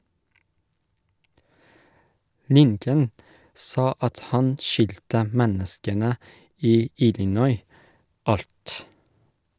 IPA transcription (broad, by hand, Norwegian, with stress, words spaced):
ˈlɪŋkən ˈsɑː ˈɑt ˈhɑn ˈʃʏltə ˈmɛnəskənə ˈiː ˈɪlɪˌnɔʏ ˈɑlt